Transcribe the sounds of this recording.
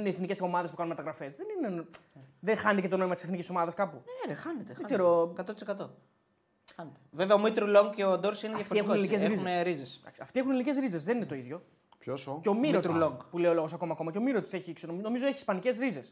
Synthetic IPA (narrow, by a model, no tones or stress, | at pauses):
ineːθnicesomɐðespukɐnunmɐt̪ɐɣɾɐfe̞zðenineðexɐnt̪ecet̪o̞no̞imɐt̪iseθniciso̞mɐðɐskɐpuexɐnet̪eðeɡzeɾokɐt̪ot̪isekɐt̪o | xɐnet̪eveveɐomit̪ɾuloŋɡceod̪oɾsineðɐjɐfoɾiexuoeiiezɾizneɾizesd̪ɐ̰ksiɐft̪ie̞xuneliniceɾizeszðeninet̪o̞iðʝo̞ | pçosoeomiɾɾot̪ɾuloŋpule̞jiolo̞ɣo̞sɐko̞mɐːko̞mɐceomiɾot̪i̥se̞çiksonono̞mizoeçiːspɐnice̞sɾizes